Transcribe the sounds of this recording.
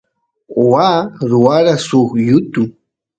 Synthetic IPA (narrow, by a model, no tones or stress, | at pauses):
owaːɾʊwaɾasoχjʊt̪ʊ